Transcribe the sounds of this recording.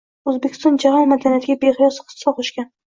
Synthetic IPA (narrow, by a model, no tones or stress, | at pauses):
ɵzbekʲɪ̥st̪ɒnd͡ʒahɒnmad̪anijat̪ɪɡʲabeʁɪjɒsqʰɨ̥saqʰoʃkʲan